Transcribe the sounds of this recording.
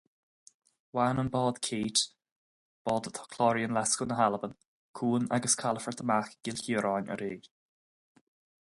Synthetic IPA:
waːnənbɔːd̪̥kʰeːt | b̥ɔːd̪ət̪ʰɔ̥kʰlɔɹiənlɛskənəɦaləbən | kʰuːna̰ɡəskʰaləfəɹt̪ʰəmaxɡ̥ɪlçiəɾaːnə̰ɾeːɡ̥

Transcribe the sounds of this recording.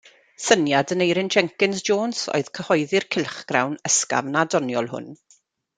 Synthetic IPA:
sənjadənejɾɪnd͡ʒɛŋkɪnsd͡ʒoːnso̰ɨð̥kʰəhɔjðɪrkʰɪlˠχɡ̥rawnəska̰vnadɔnjɔlˠhʊ̰n

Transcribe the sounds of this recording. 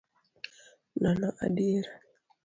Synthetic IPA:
nanaʔa̰diɾa

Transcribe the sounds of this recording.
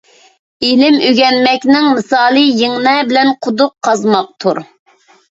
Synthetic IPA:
ilɪmøɡʲɛnmɛkʲnɪŋmɨsɑːlˠɨjiŋnɛbɪlɛnqʰʊd̪ʊqʰːɑzmɑq̚t̪ʰuɾ

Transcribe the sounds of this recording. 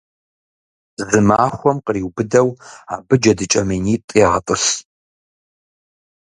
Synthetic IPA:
zɨmaːχʷɔmqəriːwbɨdɐwaːbɨd͡ʒɐdɨt͡ʃʼɐmiːniːtʼiːatʼɨɬ

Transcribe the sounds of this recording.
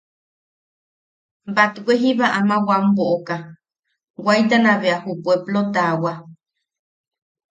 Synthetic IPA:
bat̪uwʷeɦiβaʔamãwamboʔoka | wajt̪anãβeahupueplot̪awa

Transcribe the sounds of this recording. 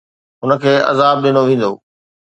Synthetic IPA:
ɦʊnə̆kʰeːʔɐ̰zaːb̚ɗɪñoʋẽːn̆d̪o̰ː

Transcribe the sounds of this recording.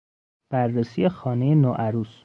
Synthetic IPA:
b̥ærːesiːjexɒːnejenoʔæɾuːs

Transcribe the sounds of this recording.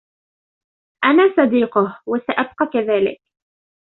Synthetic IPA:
ʔanaːsˤɑd̪iːqʊhwasaʔab̚qɑkaðaːlɪ̰k̚

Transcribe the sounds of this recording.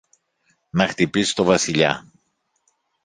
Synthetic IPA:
nɐxt̪ipisi̥t̪o̞vɐsiʎɐ̰

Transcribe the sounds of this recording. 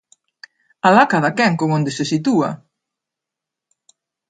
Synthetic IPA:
alakaðakɛŋkoŋond̪esesit̪ua̰

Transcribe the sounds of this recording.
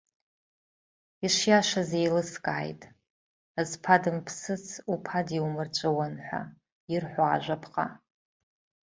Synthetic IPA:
iʂjaʃazejlɨskʼaːjtʼ | azpʰadɨmpʰsɨt͡sʰupʰadiwmɨrt͡ʃʷʼɨwanħʷa̰ | irħʷaːʒʷapʰqʼa̰

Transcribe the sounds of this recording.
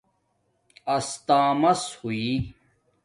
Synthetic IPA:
ɐst̪ãːmɐshui

